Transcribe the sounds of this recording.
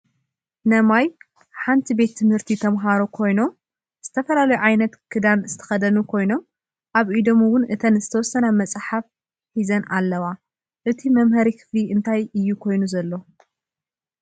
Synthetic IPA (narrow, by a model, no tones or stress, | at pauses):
nɐmaj | ħant̪ʰibe̞t̪ʰːɨmhɨɾt̪ʰit̪ʰɐmɦaɾokʰo̞jno̞ | z̥ɨt̪ʰɐfɐlalɐjuʕajnɐt̪kʰɨd̪anzɨt̪ʰɐ̥xɐd̪ɐnukʰo̞jno̞m | ʔaβʔid̪o̞mɨwʊnʔɨt̪ʰɐnzɨt̪ʰɐwɔsɐnamɐt͡sʼħaf | ħizɐnʔa̰lːɐwa | ʔɨt̪ʰimɐmhɐɾikʰɨ̥fliʔɨnt̪ʰajɨjːukʰo̞jnuzɐlːo̞